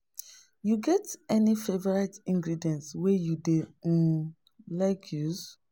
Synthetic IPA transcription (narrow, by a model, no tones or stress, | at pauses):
juɡɛtɛnifevɔɹatĩŋɡɹidiɛ̃ntswɛjudẽ | laɪkʰjuz